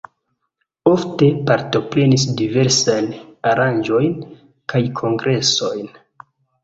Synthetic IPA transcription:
o̞fte̞paɾto̞pɾe̞nis̬dive̞ɾsajnaɾand͡ʒo̞jn | kajkʰo̞ŋɡɾe̞so̞jn

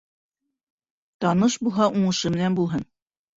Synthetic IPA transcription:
t̪ɑnɤʃbulˠɦɑʔuɴɤ̆ʃɤmɘ̆nænbulˠɦɤn

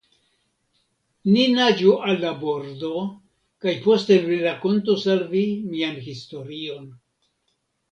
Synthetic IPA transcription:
ninad͡ʒuʔalːabo̞ɾdo̞ | kajpo̞ste̞viɾakontosalvimianhisto̞ɾio̞n

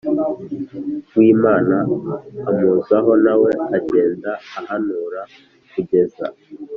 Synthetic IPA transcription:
wiːmaːnaːmuzaɦɔnawɛaɟeːndaːhanuːɾa | kuɟeza̰

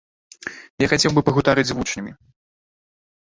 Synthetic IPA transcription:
jaxat͡sʲɛwbɨpɐɣut̪aɾɨd͡zʲzvut͡ʂnʲɐmʲi

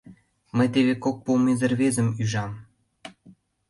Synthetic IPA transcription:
məjt̪eβekok̚pomezə̆rβezə̆myʒɑm

